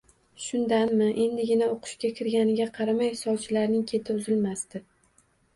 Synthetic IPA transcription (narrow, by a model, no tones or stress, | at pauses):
ʃʊnd̪anmɪʔe̞nd̪ɪɡʲɪnaoqʰʊ̥ʃkʲakʲʰɪɾɡʲanɪɡʲaqʰɑɾamajhɪ̥sɒbt͡ʃʰɪlaɾnɪŋkʲʰe̞t̪ʰɪʊzɪlmast̪ɪ